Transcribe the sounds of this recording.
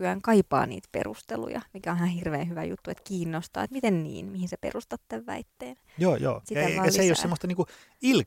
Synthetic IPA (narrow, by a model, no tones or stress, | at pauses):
yæːŋkɑipɑ̰ːnḭːt̪pḛrust̪elṵjɑ̰mikæonihɑhirʋeːhyʋæjṵt̪ːuḛt̪kiːnːost̪ɑ̰ːet̪mit̪ennḭːnmihinsepḛrust̪ɑt̪ːeʋʋæ̰it̪ːeːn | joːjo̰ːsiæɑælseijossemːost̪ɑniːku | il